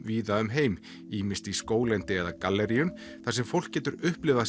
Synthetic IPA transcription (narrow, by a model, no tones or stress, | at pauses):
viːðaʏmɦeːjm | iːmɪst̪iskoːwlɛnt̪ɪɛðakalːɛɾiʏm | θasɛmfowl̥cɛːt̪ʏɾʏhplɪvða